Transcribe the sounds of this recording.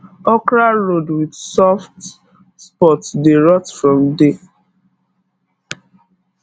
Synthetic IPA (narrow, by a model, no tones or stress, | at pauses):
ɔkɹaɹodwidsɔft | spɔtsdeɹɔtfɹɔ̃mde